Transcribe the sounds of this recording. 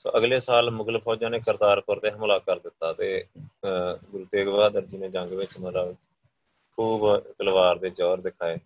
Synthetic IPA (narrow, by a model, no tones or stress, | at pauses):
so̰ːʔəɡleːsaːlmʊɡləpʰɔːd͡ʒãːneːkəɾd̪aːɾpəɾt̪eːɦəmlaːkəɾd̪ɪt̪ːaːt̪eː | ɡʊɾt̪eːɡʋaːd̪əɾd͡ʒiːneːd͡ʒəŋɡʋɪt͡ʃmət̪ləb | kʰuːbk̪əlʋaːɾd̪eːd͡ʒɔːɾd̪ɪkʰaːeː